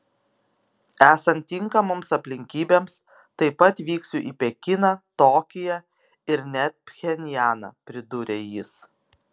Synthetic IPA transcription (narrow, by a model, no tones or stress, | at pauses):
æːsɐnt̪ʲːɪŋkɐmoːmsɐpʲlʲɪŋʲkʲiːbʲeːms | t̪ɐɪpɐt̪ʋʲiːksʲʊʔḭːpʲɛkʲɪnɐt̪oːkʲɪjɛ | ɪɾnʲɛt̪̚pʲxʲɛnʲjæːnɐ̰pʲɾʲɪd̪ʊɾʲejɪs